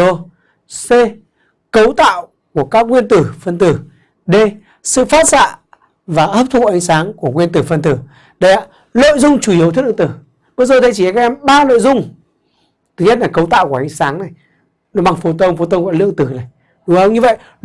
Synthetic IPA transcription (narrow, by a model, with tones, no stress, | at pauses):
o˧ | se˧ | kə˨˦wt̪a̰ː˧˨w | ku˧˩əkaː˦˥k̚ŋwi˧ənt̪ɨ˧˩fə˧nt̪ɨ˧˩ | ɗe˧˩ | sɨ̰˧˨faː˦˥t̚sa̰ː˧˨ | vaː˨˩ʔəː˦˥p̚t̪ʰṵ˧˨ʔa˨˦jŋ̟saː˨˦ŋku˧˩əŋwi˧ənt̪ɨ˧˩fə˧nt̪ɨ˧˩ | ɗə˨˧jʔaː˧˨ | lo̰˧˨jzʊ˧ŋ͡mt͡ɕu˧˩i˨˦w̪ʰw̚ʔɨ̰˧˨t̪ɨ˧˩ | ɓzo˨˩t̪ʰə˨˦jt͡ɕi˧˩˨a˨˩kːaː˦˥ʔɛ˧mɓaː˧lo̰˧˨jzʊ˧ŋ͡m | tt̪ʰɨ˨˩˦ɲə˦˥t̚laː˨˩kə˨˦wt̪a̰ː˧˨wkʔa˨˦ŋ̟saː˨˦ŋna˨˩j | nɔ˨˦ɓa˧˩ŋfo˨˧˦t̪ə˧wŋ͡mfo˨˧t̪ə˧wŋ͡mvɔ̰˧˨lɨ̰˧˨əŋt̪ɨ˧˩na˨˩j | ɗʊ˨˦ə˨˧˦wɲɨ˧və̰˧˨j